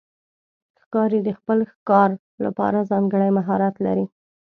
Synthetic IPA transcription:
xkɑɾid̪əxpəlxkɑɾ | la̰pɑ̰ɾazɑŋɡəɽajmaɦɑɾat̪la̰ɾi

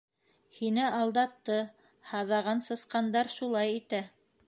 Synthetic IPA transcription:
hinɘɑlˠd̪ɑt̪ːɤ | hɑðɑʁɑnsɤ̆sqɑnd̪ɑɾʃulˠɑjit̪æ

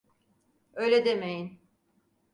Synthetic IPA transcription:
øːjlʲed̪emejin

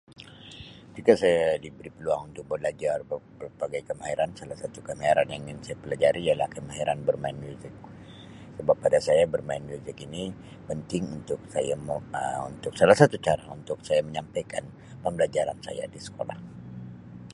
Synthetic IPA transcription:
kət̪ikasajadibəɾipəluaŋunt̪ʊk̚bədlad͡ʒarəpərbaɡajkəmaɦiɾansalahsat̪ukəmaiɾanjaŋɪnsajapəlad͡ʒaɾiːjalahkəmaɦiɾanbərmaɪnmjuzɪk̚ | səbapːadasajabərmaɪnmjuzɪkini | pənt̪ɪŋunt̪ʊk̚sajamṵnt̪ʊksalahsat̪ut͡ʃaɾa̰ṵnt̪ʊk̚sajaməɲampajka̰n | pəmbəlad͡ʒaɾansa̰ja̰disə̥kola̰h

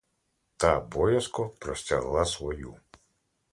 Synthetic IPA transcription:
t̪abɔjɐskɔpɾɔsʲtʲaɦlˠasʋɔju

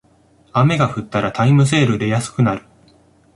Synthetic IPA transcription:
ame̞ɡaɸɯ̟t̪ːaɾat̪aimɯ̟s̬e̞ːɾɯ̟d̪e̞jasɨ̥kɯ̟naɾɯ̟

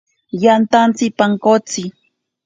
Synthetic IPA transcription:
jant̪ant͡sɪpaŋkot͡sɪ

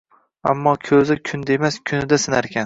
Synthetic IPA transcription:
a̰mːɒkʲʰɵzɪkʲʰʊnd̪emaskʲʰʊnɪd̪asɪnaɾkʲʰan

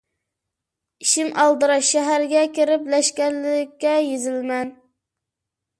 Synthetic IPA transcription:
iʃiŋɑlˠd̪ɨɾɑʃɛɦæɾɡʲɛkʲʰeɾɪplɛʃkʲɛnlːɪɪkʲːɛjezɪlmɛn

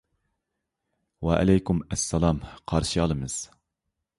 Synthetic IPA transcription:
wɛʔɪ̰lɛjkumɛsːɛlˠɑmqʰɑɾʃiɑlˠɨmɨz̥

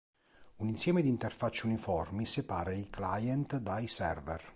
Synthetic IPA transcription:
uninsjɛːmed̪int̪erfat͡ʃːunifɔrmisepaːɾeiklajɛnt̪d̪ajsɛrvɛr

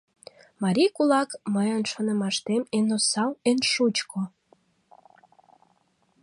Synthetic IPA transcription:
mɑɾʲikulɑkməjənʃonə̆mɑʃt̪emenosɑwenʃut͡ɕkʰo

